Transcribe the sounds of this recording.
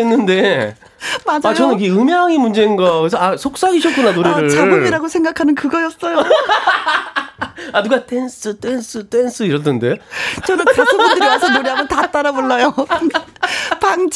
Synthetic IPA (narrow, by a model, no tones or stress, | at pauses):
enːɯnde̞ | mad͡ʑat͡ɕʌnɯnkeɯmjaŋimund͡ʑe̞inɡʌkesʰʌasʰok̚s͈aɡiɕʰʌt̚k͈unanoɾeɾɯt͡ɕaoɡiɾaɡosʰe̞ŋɡakʰanɯnkɯɡʌjʌs͈ʌjo | anuɡat͈ʰe̞ns͈ʰɯt͈ens͈ʰɯt͈ensʰɯiɾʌtɯnde̞t͡ɕʌnɯntʰasʰʌidɯdɾiwasʰʌnoɾeɦamʌntat͈aɾaboɭːajo | paŋd͡ʑ